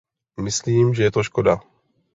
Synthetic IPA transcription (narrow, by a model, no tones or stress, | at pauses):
mɪsliːmʒɛjɛt̪oʃkoda